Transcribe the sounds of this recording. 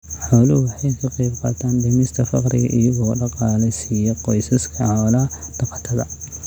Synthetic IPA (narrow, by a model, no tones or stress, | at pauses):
ħɔːlɐʊwɑħɑjkʰɐqijbqɑ̰ːt̪ʰaːnbɛmɪst̪ʰɐfɑ̰qɾɪ̰ɣɐ̰ʔɪjɐɣɔːɖɑqɑːlɛjsiːjɔqɔjsɐskʰɐlɐd̪̥ɑqɑt̪ʰɐðɐ̰